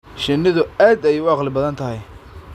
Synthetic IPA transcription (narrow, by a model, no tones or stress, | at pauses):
ʃɪnːɪðʊaːd̪ɛjʊwɑːqlɪbɐðɐnt̪ʰɐɦɛj